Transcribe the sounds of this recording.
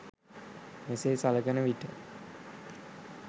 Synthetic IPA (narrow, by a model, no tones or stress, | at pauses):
meseːsaləɡənəʋiʈə